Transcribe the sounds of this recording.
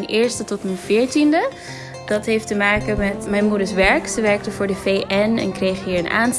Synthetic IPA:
nʔɪːɹstətɔtmənv̥ɪːɹtində | dɑtɦejftəmaːkəmɛtmɛjnmudəɹsʋɛɹksəʋɛɹk̚təvʊːɹdəvejʔɛnɛ̰nkrejχiːɹəna̰ːn

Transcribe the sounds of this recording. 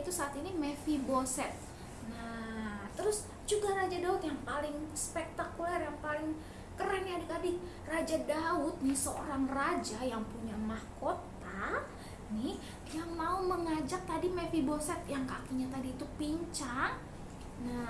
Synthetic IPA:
it̪usaːt̪inimefibosɛt̪̚ | nat̪əɾʊs | d͡ʒuɡaɾad͡ʒadaʊt̪jaŋpalɪŋspɛk̚t̪akulɛrjaŋpalɪŋ | kəɾɛniadikadɪ | rad͡ʒadaʊt̪̚nɪhsəo̰ɾaŋrad͡ʒajaŋpuɲamahkot̪a | nɪh | jaŋmauməŋad͡ʒak̚t̪adimefibosɛt̪̚jaŋkakiɲat̪adiːt̪upiɲt͡ʃaŋ | na

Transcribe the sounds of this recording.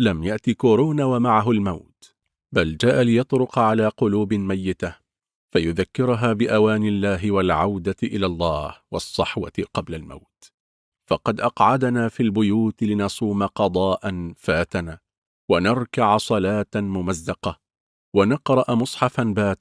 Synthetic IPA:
lamjaʔt̪ikoːɾuːnawamaʕaɦʊlmawt̪ | bald͡ʒaːʔalɪjɑt̪ˤɾʊqɑʕalaːqʊluːbɪmajːɪt̪a | fajʊðakːɪɾʊɦaːbɪʔawaːnɪlːaːɦɪwalʕawd̪aʔɪlaːlˤːɑːhwɑsˤːɑħwa̰qɑblalma̰wt̪ | fɑqɑd̪ʔɑqʕad̪naːfiːlbʊjuːt̪lɪnɑsˤuːmaqɑd̪ˤɑːʔanfaːt̪anaː | wanɑɾˤkaʕsˤɑlaːt̪mʊmazːɑqɑ | wanɑqɾˤɑʔamʊsˤħɑfanbaːt̪

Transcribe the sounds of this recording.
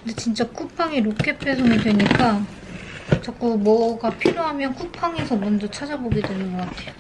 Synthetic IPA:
kɯndet͡ɕint͡ɕ͈ak͈upʰaŋiɾok͈ʰe̞pʰesʰoŋidwe̞ɲik͈a | t͡ɕʌk͈umʌɡapʰiɾjoɦamjʌnk͈upʰaŋe̞sʰʌmʌndot͡ɕʰad͡ʑaboɡidwe̞nɯnɡʌk͈atʰe̞jo

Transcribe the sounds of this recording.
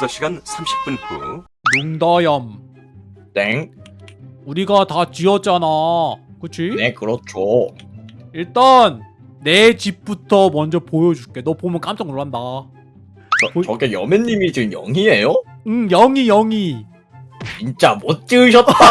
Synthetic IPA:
sʌɕʰiɡansʰamɕʰi̥p͈unk͈ṵ | juŋdajʌm | t͈eŋ | uɾiɡatat͡ɕiʌt͡ɕ͈anakɯt͡ɕʰinekɯɾʌt͡ɕʰo | iɭt͈anː | e̞t͡ɕip̚p͈utʰʌmʌnd͡ʑʌpojʌd͡ʑuɭk͈enʌpomjʌnk͈amt͡ɕ͈ʌŋoɭanda | ʌot͡ɕʌɡejʌ̰meɲːimit͡ɕiɯmjʌ̰ŋɦiejoɯŋjʌŋijʌŋi | t͡ɕint͡ɕ͈amot̚t͡ɕ͈ɯɯɕ̬ʰʌt̚t͈ːa

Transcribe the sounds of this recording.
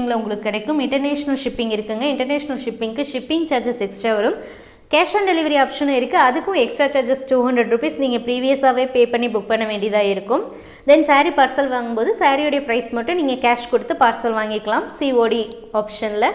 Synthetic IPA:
ŋɡɐɭɐʊŋɡɐɭɯkːɯkːɪɽɐkːɯmɪɳʈɐɾneːʂɐnɐlʂɪpːɪŋɡɪɾɯkːɯŋɡɐɪɳʈɐɾneːʂɐnɐlʂɪpːɪŋkɯʂɪpːɪŋɡt͡ʃaːɾd͡ʒɐsɛksʈɾaːʋɐɾɯm | kaːʂãːnɖɛlɪʋɐɾiaːpʂɐnɐɪɾɯkːɯɐðɯkːʊ̃ɛksʈɾaːt͡ʃaːɾd͡ʒɐsʈuːɦɐndɾɐɖɾupɐɪsniːŋɡɐpɪɾiːʋɪjɐsaːʋeːpeːpɐɳːibʊk̚pɐɳːɐʋeːɳɖijðãːɪɾɯkːɯm | d̪ɛnsaːɾipaːɾsɐlʋaːŋɡɯmpoːðɯsaːɾijɔɽɐjɐpɪɾɐɪsmɐʈːʊ̃niːŋɡɐkaːʂkɔɽɯt̪ːɯpaːɾsɐlʋaːŋɡɪkːɐlãːmsiːoːɽi | aːpʂɐnɪlɐ

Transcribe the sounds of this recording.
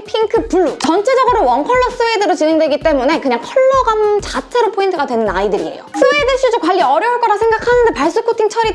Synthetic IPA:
pʰiŋkʰɯpuɭːut͡ɕʌnt͡ɕʰed͡ʑʌɡɯɾowʌnkʰʌɭːʌs͈ɯwedɯɾot͡ɕine̞ŋdwe̞ɡit͈e̞mune̞kɯɲaŋkʰʌɭːʌɡamt͡ɕat͡ɕʰe̞ɾopʰointʰɯɡadwe̞nɯnaidɯɾḭḛjo̰s͈ʰɯwedɯɭɕ͈ʰid͡ʑokwaʎːiʌɾjʌuɭk͈ʌɾasʰe̞ŋɡakʰanɯnde̞paɭs͈okʰotʰiŋt͡ɕʰʌɾi

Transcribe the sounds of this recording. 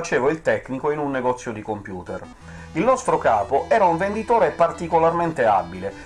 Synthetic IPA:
at͡ʃeːvoilt̪ɛkːnikoinunːeɡɔt̪sːjod̪ikompjuːt̪er | ilnɔst̪ɾokaːpoʔɛːɾauɱvend̪it̪oːɾepart̪ikolarment̪ea̰bːile

